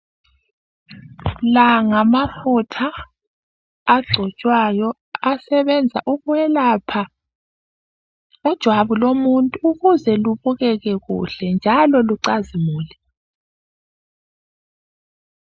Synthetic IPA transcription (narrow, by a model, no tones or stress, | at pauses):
laŋamafutʰa | ɡ͡ǀʱɔt͡ʃʼwajɔ | asɛβɛnd͡zʱa̰ʔuɣuwɛlapʰa | ud̥ʒ̥ʱwaβulomuntʼuuɣuzɛluβuɣɛɣɛɣṵɬɛnd͡ʒʱalɔluǀazimuːlɛ